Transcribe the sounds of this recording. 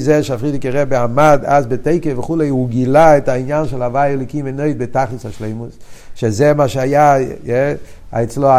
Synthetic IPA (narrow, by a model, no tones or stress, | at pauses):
zɛʃafʁidɪkəʁɛbeamadazbeteɪkəvəχuːleɪuɡilaɛtainjanʃɛlˠavajɛloɪkimɛnoɪdbetaχlɪsaʃleɪmusʃezemaːʃeajajɛ | a̰ɛt͡sloa